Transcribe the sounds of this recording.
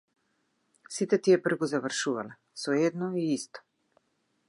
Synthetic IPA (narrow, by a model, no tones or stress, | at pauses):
sit̪ɛt̪iɛpr̩vɡɔzavr̩ʃuvalɛ | sɔɛd̪nɔiist̪ɔ̥